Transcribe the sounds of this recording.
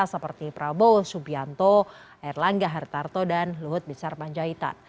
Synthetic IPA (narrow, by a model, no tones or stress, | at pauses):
asəpərt̪ipɾabowsubiant̪o | irlaŋɡaɦart̪art̪odanluɦʊt̪̚misarpaɲd͡ʒait̪a̰n